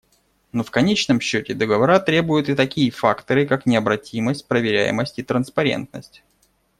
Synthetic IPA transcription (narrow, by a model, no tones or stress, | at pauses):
nofkɐnʲet͡ɕnəmɕːɵtʲɪd̪əɡəvɐɾat̪ɾʲe̞bʊjʊt̪ɨt̪ɐkʲijəfakt̪əɾɨkaknʲɪɐbɾɐtʲiməsʲt̚ʲpɾəvʲɪɾʲæ̰jɪ̰məsʲtʲit̪ɾənspɐɾʲḛnt̪nəsʲtʲ